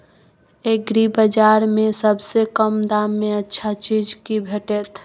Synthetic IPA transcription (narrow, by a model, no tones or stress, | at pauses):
eɡɾibəd͡ʒaɾmesəbsekəmd̪amːeətːʃʰat͡ʃid͡ʒkibʱeʈɛt̪